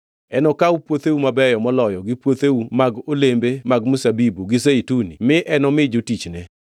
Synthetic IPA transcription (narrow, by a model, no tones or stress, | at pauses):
ɛnɔkawupwot̪eumabɛjɔmɔlɔjɔɡɪpwot̪eumaɡolembemaɡmusabibuɡɪseitunimɪʔɛnɔmɪd͡ʒotit͡ʃnɛ